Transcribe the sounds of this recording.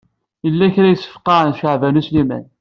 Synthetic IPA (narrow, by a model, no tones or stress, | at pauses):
jəlːæçɾæjəsːə̥fqɑʕənʃəʕvænuslimæ̰n